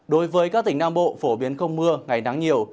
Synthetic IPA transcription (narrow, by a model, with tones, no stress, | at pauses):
ɗo˨˦jvəː˨˦jkaː˦˥k̚t̪ï˧˩ŋ̟naː˧mɓo̰˧˨fo˧˩ɓi˨˦ənxə˧wŋ͡mmɨ˧əŋa˨˩jna˨˦ŋɲi˨˩əw